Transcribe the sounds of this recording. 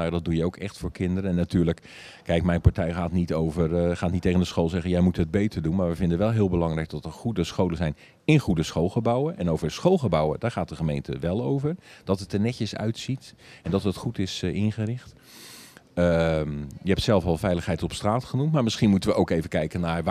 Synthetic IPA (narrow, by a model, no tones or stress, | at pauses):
nawdɔt̚dujəowkɛxtfʊːɹkʰɪndəɾəɛnːatyːɹlək | kɛjkmɛjnpaɹtɛjxaːtnitowvərχaːtnitːeɣəndəsxoːlˠzɛɣənjɛjmutɦəd̚bejtʰərdunmaːɹʋəvɪndənʋɛlˠɦɪːlˠbəlɑŋrɛjk̚dɔtəɹχudəsxowləzɛjn | ɪnχudəsxoːlˠɣəbawəʔɛnowvərsxolˠχəbawə̰daːɹχaːt̚dəχəmejntʰə̰ʋɛlˠowvərd̥ɔtətənɛcəsœ̰ɥtsitɛndɔtətχutɪsɪnχərɪxt | ə | jəɛp̚tsɛlˠfɔlˠfɛjləxɦɛjtɔpstraːtχənumtmaːɹmɪsχinmutənʋəʔowkeːvəkɛjkəna